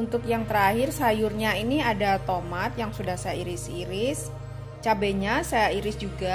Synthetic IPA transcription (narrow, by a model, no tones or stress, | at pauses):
unt̪ʊkjaŋt̪əɾahɪrsajʊrɲainiadat̪omat̪̚jaŋsudahsajaiɾɪsiɾɪs | t͡ʃabeɲasajaiɾɪsd͡ʒuɡa